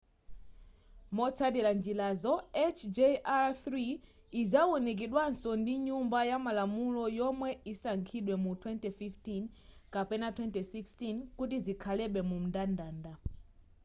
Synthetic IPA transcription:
mɔt͡sʰadiɾand͡ʒilazɔɛt͡ʃʰd͡ʒeaθɾiː | zawunik̬iɗwansɔndiɲumbajamalamulɔjɔmwɛisaŋkʰiɗwɛmutʰwɛntɛfiftin | kapɛnatʰwɛntɛsikstinkut̬izikʰalɛɓɛmum̩dandaːnda

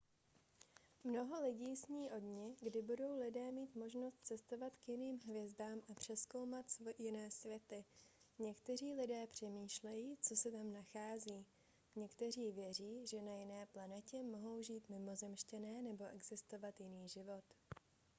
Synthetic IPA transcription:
mno̞ɦo̞lɪɟiːsɲiːʔo̞dɲɛɡdɪbudo̞wlɪdɛːmiːt̪mo̞ʒnost̪̚t͡sɛst̪o̞vat̪kjɪniːmɦvjɛzdaːmʔapr̝̥ɛsko̞wmat̪sjɪnɛːsvjɛt̪ɪɲɛkt̪ɛriːlɪdɛːpr̝̥ɛmiːʃlɛjiːt͡so̞sɛt̪amnaxaːziː | ɲɛkt̪ɛr̝iːvjɛriːʒɛnajɪnɛːplanɛcɛmo̞ɦo̞wʒiːt̪mɪmo̞zɛmʃcɛnɛːnɛbo̞ʔɛɡzɪst̪o̞vat̪jɪniːʒɪvo̞t̪

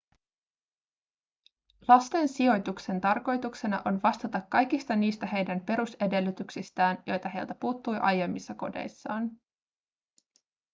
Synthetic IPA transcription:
lɑst̪e̞nsio̞jt̪ukse̞nt̪ɑrko̞jt̪ukse̞nɑ̰ʔo̞nʋɑst̪ɑt̪ɑkːɑjkist̪ɑniːst̪æhe̞jdænpe̞ɾuse̞de̞lːyt̪yksist̪æːnjo̞jt̪ɑɦe̞jlt̪æpuːt̪ːujʔɑ̰je̞mːisːɑko̞̰de̞̰jsːɑːn

